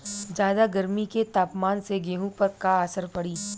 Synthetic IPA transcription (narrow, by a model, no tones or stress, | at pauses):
d͡ʒjaːd̪aɡɐɾmiket̪aːpmaːnseɡeːɦũpɐɾkaaːsəɾpɐɽiː